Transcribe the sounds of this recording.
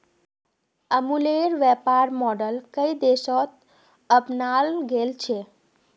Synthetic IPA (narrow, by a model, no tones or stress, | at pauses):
əmuleɾʋɛpaɾmɔɖəlkəid̪eʃɔt̪̚ | əpnalɡelt͡ʃʰe